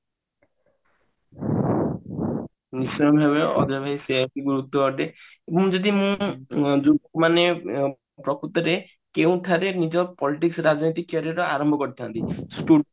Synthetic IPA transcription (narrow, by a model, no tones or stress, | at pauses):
nisɔɾɔmbʱabeɔ̰d̪ɔbʱaiseapiɡuɾut̪ːɔɔʈe | ebɔ̃d͡ʒɔd̪imũd͡ʒuɡɔkmane | pɾɔkʰut̪ɔɾe | keuw̃ʈʰaɾenid͡ʒɔpɔliʈiksɾad͡ʒnot̪ikːɔɾiɾɔaɾɔmbʱɔkɔɾit̪ʰant̪isʈu